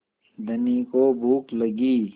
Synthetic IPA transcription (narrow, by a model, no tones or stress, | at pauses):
d̪ənikobʱuːkləɡiː